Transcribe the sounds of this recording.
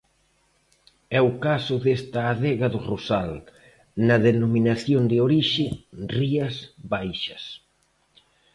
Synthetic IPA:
ɛʊkasʊðest̪ɐːðɛɣɐðʊrusal | nɐðenomĩnaθjond̪ɪoɾiʃɪriɐsβajʃɐs

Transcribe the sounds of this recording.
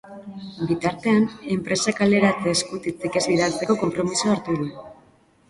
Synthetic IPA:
bit̪aɾt̪e̞ane̞mpɾe̞sakale̞ɾat͡seskut̪it͡sike̞ziðaɾt͡se̞ko̞ko̞mpɾo̞misuaɾt̪uðu

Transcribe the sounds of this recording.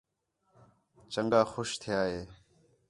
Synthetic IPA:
t͡ʃəŋɡaːxoʃt̪ʰɪjaːɦeː

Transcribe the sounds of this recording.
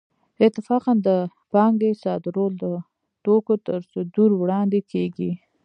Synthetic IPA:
ɪt̪ɪfɑqand̪ə | pɑŋɡesɑd̪ɾold̪ə | ʈokot̪əɾsʊd̪uɾwɽɑnd̪ekʰeɡi

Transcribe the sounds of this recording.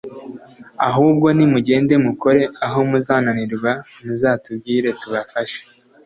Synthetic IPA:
a̰ɦuːbɡo̞nimuɟe̞ːnde̞muko̞ɾe̞aɦo̞muzaːnaniɾɡwa | muzaːtub̚ɡiːɾe̞tuβafaʃe̥

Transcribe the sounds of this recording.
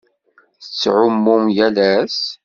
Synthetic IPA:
θət͡sːʕʊmːʊmjælæs

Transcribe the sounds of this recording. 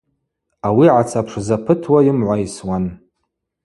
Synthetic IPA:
awiʕat͡sʰapʰʂzapʰɨtʰwajɪmʕʷajswan

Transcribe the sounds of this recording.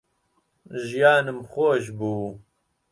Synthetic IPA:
ʒijaːnɨmxoːʒbuː

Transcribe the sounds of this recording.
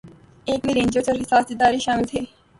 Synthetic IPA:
eːkmiɾẽːnd͡ʒot͡ʃəɾɦɪsaːsd̪ɪd̪aːɾiʃaːmɪlt̪ʰeː

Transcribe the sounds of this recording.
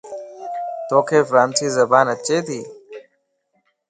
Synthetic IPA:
t̪oːkʰeːfɾaːnsiːzɐbaːnɐt͡ʃeːt̪iː

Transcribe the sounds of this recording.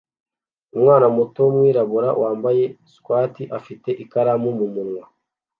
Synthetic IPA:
umwaːnamutomwiːɾaβuɾa̰wʔaːmbaje̞skwaːtiʔafite̞ʔikaɾamumumunŋwa

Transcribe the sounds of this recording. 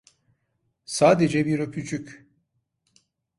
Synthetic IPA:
saːd̪e̞d͡ʒɛbiɾøpʰyt͡ʃʰycʲ

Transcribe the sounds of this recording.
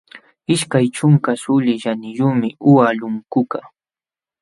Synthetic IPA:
ɪʃkajt͡ʃʊŋkasʊlɪʃanɪjʊmɪʔʊwalʊŋkʊka

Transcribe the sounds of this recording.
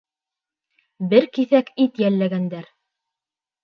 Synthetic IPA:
bɘɾkiθækit̪jælːæɡænd̪æɾ

